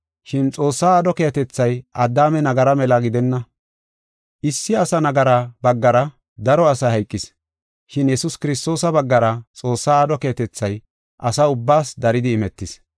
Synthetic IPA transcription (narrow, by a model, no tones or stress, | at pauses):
ʃɪnt͡sʼo̞ːsːaːaːd̪ɔkejɐt̪ɛt͡sːɐjʔɐd̪ːaːmɛnɐɡɐɾɐmɛlɐɡɪd̪ɛnːɐ | ʔɪsːɪɐsɐnɐɡɐɾaːbɐɡːɐɾɐ | d̪ɐɾɔɐsɐhɐjkʼːɪs | ʃɪnjɛsʊskɪɾɪst̪o̞ːsɐbɐɡːɐɾɐt͡sʼo̞ːsːaːd̪ɔke̞ːɐt̪ɛt͡sːɐj | ʔɐsɐʊbːaːsd̪ɐɾɪd̪ɪːmɛt̪ːɪs